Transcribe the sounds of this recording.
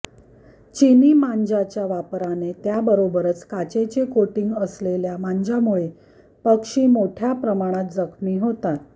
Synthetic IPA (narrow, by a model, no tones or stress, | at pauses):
t͡ɕiniːmaɲd͡ʑat͡ɕjaʋapɾanet̪jabəɾobəɾət͡skat͡ɕet͡sekoʈiŋɡəsleljamaɲd͡ʑamuɭe | pəkʂiːmoʈʰjapɾəmaɽ̃at̪̚d͡zəkʰmiːɦot̪at̪